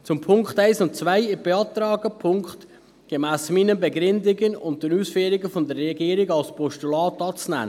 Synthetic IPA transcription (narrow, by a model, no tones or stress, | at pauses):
t͡sʊmpʰʊŋkχtaɪsʊnt̚t͡svaɪjɪb̥eɑːtɾɑːɡəpʰʊŋkχt | ɡ̥emæːsmiːnəbeɡɾʏndɪɡənʊnt̚d̥ɛnuːsfyːɾɪɡəfɔnd̪əɾːɛɡiːəɾɪɡɑlspʰɔʃtulɑːtɑːt͡snæ̰n